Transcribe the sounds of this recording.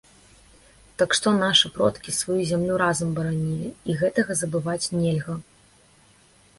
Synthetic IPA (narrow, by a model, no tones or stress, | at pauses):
t̪ɐkʂt̪ɔnaʂɨpɾɔt̪kʲisvajuzʲamlʲuɾazɐmbɐɾanʲilʲiːɣɛt̪ɐɣɐzɐbɨvat͡sʲnʲɛlʲɣɐ